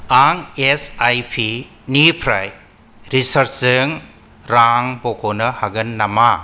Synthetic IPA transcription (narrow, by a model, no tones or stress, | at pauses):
aŋesajpʰi | nipʰɾaj | ɾisɐɾsɯŋ | ɾaŋbokʰonɐhaɡɐnːama